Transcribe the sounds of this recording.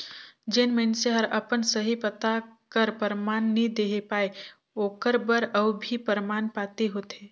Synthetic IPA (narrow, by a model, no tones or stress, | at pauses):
d͡ʒenmə̃nseɦəɾɐpənsəɦipət̪akəɾpəɾmaːnːid̪eːɦepaːe | oːkəɾbəɾəbbʱipəɾmaːnpaːt̪eɦoːt̪eː